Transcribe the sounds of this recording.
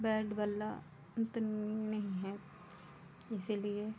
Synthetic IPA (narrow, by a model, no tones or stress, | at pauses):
bɛːɾɖbɐlːa̰ | nt̪nnɐɦĩɦɛ | ɪsilie